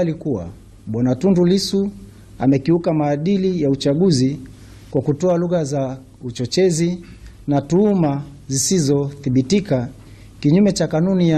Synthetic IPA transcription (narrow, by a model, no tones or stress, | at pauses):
likua̰ | ɓwanatundulisu | a̰mɛkiukamaːɗilijaut͡ʃaɠuzi | kwakutɔaluɣaza | ut͡ʃɔt͡ʃɛzi | natuuma | zisizɔθiɓitika | kiɲumɛt͡ʃakanunija